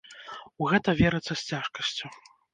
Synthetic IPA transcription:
uɣɛt̪ɐvʲɛɾɨt̪sːɐsʲt͡sʲaʂkɐsʲt͡sʲu

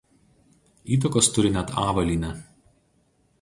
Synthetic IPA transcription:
iːt̪̬ɔkoːst̪ʊɾʲɪnʲɛt̪ɑːʋɐlʲiːnʲɛ

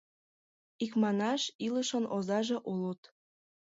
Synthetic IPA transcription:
ikmɑnɑʃiləʃɤnʔozɑʒeʔulut̪

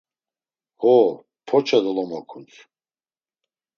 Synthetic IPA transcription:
hɔ | pʰɔt͡ʃʰad̪ɔlɔmakʰunt͡sʰ

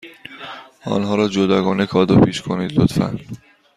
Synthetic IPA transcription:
ɒ̰ːnɦɒːɾɒːd͡ʒod̪ɒːɡɒːnekʰɒːd̪opʰiːʃkʰoniːd̪lot̪fæ̰n

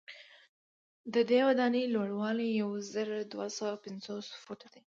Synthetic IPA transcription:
d̪əd̪ewad̪ɑnəlwaɽwɑlejawzəɾod̪wasawapɪnzosfuʈad̪i

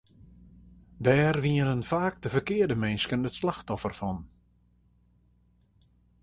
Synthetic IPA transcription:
dɛːrʋiənənfaːk̚dəvərkɪərdəmɛnskənətslaxtɔfərfɔn

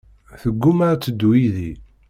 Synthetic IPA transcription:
θəɡːumaɾt͡sːəd̪wiði

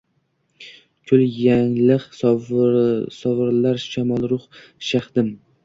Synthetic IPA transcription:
kʰʊljaŋlɪqs | sɒvɨɾlaɾʃamɒlˠɾʊχ | ʃaχd̪̥ɪm

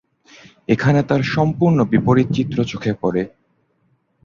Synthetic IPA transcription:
ekʰanet̪aɾʃɔmpuɾnobipoɾit̪t͡ɕit̪ːɾot͡ɕokʰepɔɾe

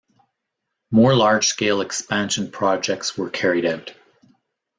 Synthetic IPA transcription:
mɔɹlɑɹd̥ʒ̥skeɪlˠɨkspæ̃nʃɨ̃n̩pʰɹ̥ɑd͡ʒɛk̚tswə˞kʰɛɹiɾaʊt

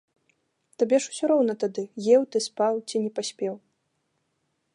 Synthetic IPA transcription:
t̪abʲɛʂu̥sʲɔɾɔwnɐt̪ad̪ɨjɛwt̪ɨspawt͡sʲinʲɛpasʲpʲɛw

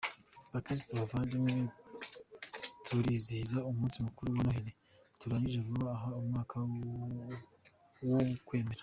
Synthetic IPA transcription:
bakɾis̬tuβavaːndime | tʰuɾizizaumuːnsimukuɾuβonoɦiɾetuɾaːɲiʒevuβaːɦaumŋaːkʰa | wokwe̞ːme̞ɾa

